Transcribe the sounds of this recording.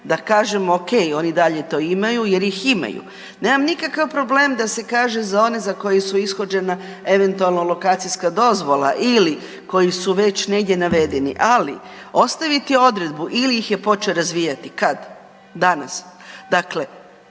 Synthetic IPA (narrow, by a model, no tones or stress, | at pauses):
d̪akaːʒe̞moke̞jo̞nid̪aʎe̞t̪o̞ːimajuje̞ɾjixima̰jṵ | ne̞ːmamnikakaʋpɾo̞ble̞ːmd̪ase̞kaːʒezao̞nezako̞jesuisxo̞d͡ʒe̞na | e̞ʋe̞nt̪ualˠnolˠo̞kaːt̪sijskad̪o̞zʋo̞lˠa̰ʔili | ko̞jisuʋe̞t͡ɕne̞ɡd̪ʲje̞naʋe̞d̪e̞nḭʔalḭ | o̞st̪aʋit̪io̞d̪ɾe̞d̪buʔilijixje̞po̞t͡ʃeoɾazʋiːjat̪ikad̪ː | ana̰sd̪akle̞